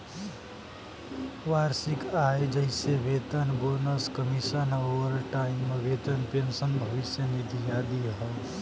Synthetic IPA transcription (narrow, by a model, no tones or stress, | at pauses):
waɾsikaed͡ʒəjsebet̪ənbonəskəmisənoʋəɾʈaimːebet̪ənpensənbʱʌʋisjənid̪ijad̪iɦʌ